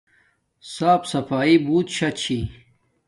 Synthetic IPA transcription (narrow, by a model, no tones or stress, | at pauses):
saːpsɐfaːibuːt̪ɕɐt͡ɕʰi